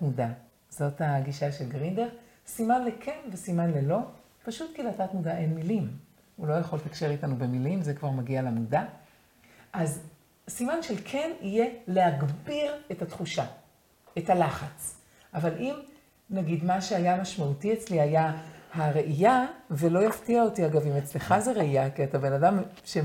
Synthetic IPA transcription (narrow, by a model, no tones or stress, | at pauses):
muda | z̥o̞thaɡiʃaʃe̞lɡʁindeʁ | simanlekʰenvesimanle̞lo̞ | paʃutkileatatmudaʔe̞nmilim | ulo̞jaχo̞let̪akʃeʁitanube̞milimzekvaʁmaɡialamuda | ʔaz | simanʃelkʰe̞nije̞le̞haɡbiʁe̞tat̪χuʃa | ethalaχat͡s | ʔavalim | naɡidmaʃeajamaʃmautiet͡slihajahaʁe̞ʔijavelo̞jaftiao̞tiaɡavimet͡sleχazeʁeijakiat̪abe̞nadam | ʃe